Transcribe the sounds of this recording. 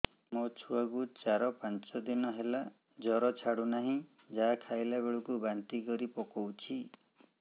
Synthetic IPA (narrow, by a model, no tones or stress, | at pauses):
mot͡ʃʰuaɡut͡ʃaɾɔpant͡ʃɔd̪inɔɦela | d͡ʒɔɾɔt͡ʃʰaɽunaɦĩ | d͡ʒakʰajlabeɭɔkubant̪ikɔɾipɔkɔwt͡ʃʰi